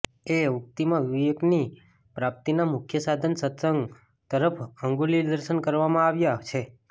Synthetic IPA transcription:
eʊk̚t̪imãʋijəkni | pɾap̚t̪inamʊkʰjəsad̪ʱənsət̪səŋɡ | t̪əɾəpʰəŋɡuliɾd̪əɾʃənkəɾʋamãaʋjat͡ʃʰe

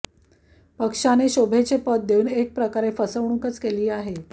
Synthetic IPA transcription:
pəkʂaneɕobʱet͡sepət̪̚d̪euːnek̚pɾəkaɾefəsəʋɳ̃uŋkət͡skeliːaɦe

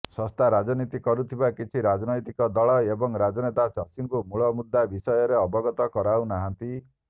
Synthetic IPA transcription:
sɔst̪ʰaɾad͡ʒɔnit̪ikɔɾut̪ʰibakit͡ʃʰiɾad͡ʒnɔjt̪ikɔd̪ɔɭɔebɔŋɾad͡ʒɔnet̪asasiŋkumuɭɔmud̪ːabisɔjɔɾeɔbɔɡɔt̪ɔkɔɾawnaɦant̪i

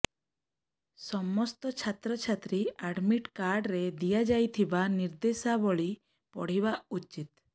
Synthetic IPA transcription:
sɔmɔst̪ɔt͡ʃʰat̪ɾɔt͡ʃʰat̪ɾiaɖmiʈkaɾɖɾed̪ijad͡ʒajt̪ʰibaniɾd̪esabɔɭi | pɔ̰ɽ̤ibaut͡ʃːit̪

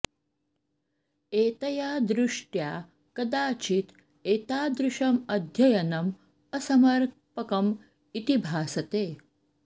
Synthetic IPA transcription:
eːt̪ɐjaːd̪ɾuʂʈjaː | kɐd̪aːt͡ʃit̪ | eːt̪aːd̪ɾuʃɐmɐd̪ʱjɐjɐnɐm | ɐsɐmɐɾ | pɐkɐm | it̪ibʱaːsɐt̪eː

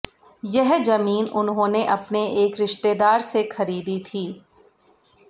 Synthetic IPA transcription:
jɛɦzɐmiːnʊnɦõːneʔɐpneeːkɾɪʃt̪eːd̪aːɾsexɐɾiːd̪it̪ʰiː

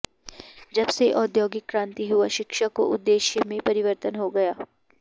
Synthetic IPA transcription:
d͡ʒɐbseʔɔːd̪joːɡɪkːɾãːnt̪iɦuaʃɪkʃako̰ʔʊd̪ːeːʃjəmẽpɐɾɪʋəɾt̪ənɦoɡɐjaː

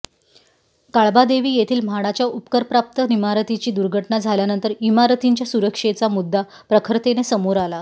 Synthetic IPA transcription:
kaɭbad̪eʋiːjet̪ʰiːlm̤aɽ̃at͡ɕjaupkəɾpɾap̚t̪ənimaɾət̪it͡ɕiːd̪uɾɡʱəʈɳad͡zʱaljanənt̪əɾimaɾət̪iɲt͡ɕjasuɾəkʂet͡samud̪ʱːa | pɾəkʰɾt̪enesəmoɾala

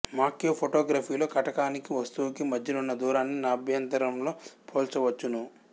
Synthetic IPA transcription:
maːkjoːpʰoʈoːɡɾaːpʰiːlo̞ːkɐʈɐkaːnikiʋɐst̪uːkimɐdʱjɐlunːɐd̪uːɾaːnːinaːbʱjɐnt̪ɐɾɐmlo̞ːpʰoːlt͡ʃɐʋɐt͡ʃːunu

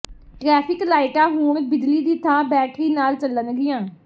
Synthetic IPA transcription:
ʈɾɛːpʰɪklaːɪʈãːɦũːɳbɪd̪liːd̪iːt̪ʰãːbɛːʈʰiːnaːlt͡ʃəlːənɡɪjãː

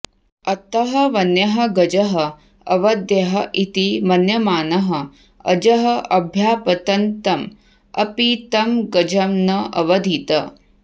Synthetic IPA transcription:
ɐt̪ɐɦɐʋɐnjɐɦɐ̆ɡɐd͡ʒɐɦɐ | ɐʋɐd̪jɐɦɐʔit̪imɐnjɐmaːnɐɦɐ | ɐ̰d͡ʒɐɦɐʔɐbʱjaːpɐt̪ɐnt̪ɐm | ɐ̰pit̪ɐmɡɐd͡ʒɐmnɐʔɐ̰ʋɐd̪ʱit̪ɐ

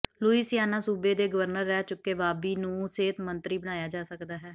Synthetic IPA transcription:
luːiːsjaːnãːsuːbeːd̪eːɡəʋəɾnəɾːɛːt͡ʃʊkːeːbaːbiːnũːseːt̪mənt̪ɾiːbəɽ̃aːjaːd͡ʒaːsəkd̪aːɦɛː

